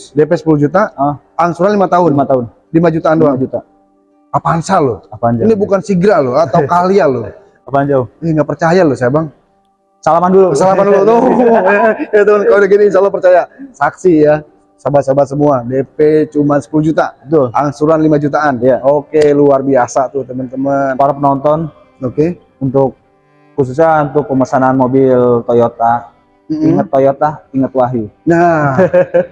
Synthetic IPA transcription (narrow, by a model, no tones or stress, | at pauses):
depɛsə̥puluhd͡ʒut̪a | aŋsuɾanlimat̪aɦʊnlmat̪aʊn | limad͡ʒut̪aːnduad͡ʒut̪a | apansalʊinibukansiɡɾalʊat̪aukalialʊ | d͡ʒiŋɡapərt͡ʃajalosajabaŋ | salamandulukəsalamandulud̪oajat̪onkaudaɡiniːnʃalːɔpərt͡ʃajasaksija | sabasabasəmuadepet͡ʃumansə̥puluhd͡ʒut̪abət̪ʊlaŋsuɾanlimad͡ʒut̪aːnijaokeluarbiasat̪ut̪əmənt̪əmənoɾapənɔnt̪ɔn | oke | unt̪ʊk̚ː | us̬us̬ɲaunt̪ʊk̚pəməsananmobɪlt̪ojot̪a | m̩iŋət̪ːojot̪aiŋət̪waɦina